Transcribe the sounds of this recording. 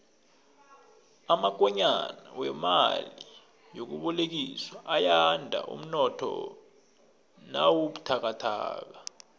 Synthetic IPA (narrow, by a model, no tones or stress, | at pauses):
amak̬ʼɔɲanawɛma̰li | jok̬uɓɔlek̬iswaʔajandʱa̰ʔṵm̩nɔtʰɔ̰ | nawoɓutʰak̬atʰa̰ːk̬a